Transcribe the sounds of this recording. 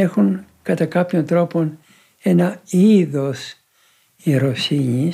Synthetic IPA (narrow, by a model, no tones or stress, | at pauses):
exun | kɐt̪ɐkɐpço̞nt̪ɾo̞po̞n | e̞nɐiðo̞s | iɾo̞siɲi